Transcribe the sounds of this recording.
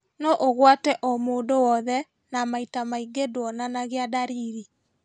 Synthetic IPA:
nɔʔoɣwatɛʔɔmoːndowɔðɛ | namaitamaiɡedwɔnanaɣeadaɾiɾi

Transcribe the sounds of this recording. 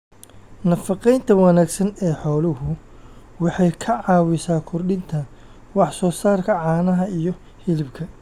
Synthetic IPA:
nɐfɑqɛjnt̪ʰɐwɑnaːɡsɐnɛːħɔːlʊhʊ | wɑħɑjkʰɐʕɑːwɪsaːkʰʊrɖɪnt̪ʰɐ | wɑħsɔːsaːrkʰɐʕɑːnɐɦɐijɔ | hɪlɪbkʰɐ

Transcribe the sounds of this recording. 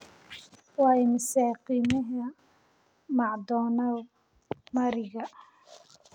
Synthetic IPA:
wɑːɪmɪsaːqiːmɐɦɐ | mɑʕd̪ɔːnɐ | mɐɾɪɣɐ

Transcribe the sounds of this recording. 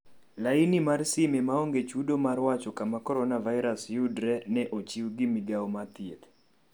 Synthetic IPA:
lainimarsɪmemaoŋɡet͡ʃudomarwat͡ʃɔkamakɔɾɔnavaɪɾasjudɾɛnɛʔot͡ʃiwɡimiɡawɔmat̪jet̪

